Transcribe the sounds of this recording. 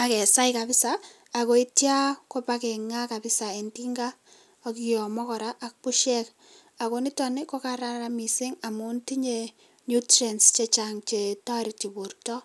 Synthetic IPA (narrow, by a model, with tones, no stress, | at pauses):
a˨kɛ˨sa˦ɪka˨pɪ˦saː˨ | ko˨i˦tja˦ko˦pakɛ˨ŋa˦ka˨pɪ˦sa˨e˨nti˦ŋɡa˦ | ɔkijɔ˨mɔ˦kɔ˨ɾa˦ʔa˨k̚pʊ˦ʃɛ˦k | a˨ko˨ni˦tɔ˨nɪ˦ko˦ka˦ɾa˦ɾami˨sɪ˦ŋa˨mu˦nti˦ɲe˨ | ɲu˦trɛ˨nst͡ʃe˦t͡ʃaŋt͡ʃe˨tɔ˦ɾi˨t͡ʃi˨bu˨rtɔ˦